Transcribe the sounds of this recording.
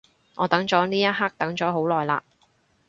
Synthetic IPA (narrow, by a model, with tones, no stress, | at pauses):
ŋɔː˨˧t̪ɐ˨˥ŋt͡sɔː˨˥niː˥jɐ˥t̚ɦaː˥k̚t̪ɐ˨˥ŋt͡ʃɔː˨˥ɦo˨˥wlɔː˨jla̰ː˧˨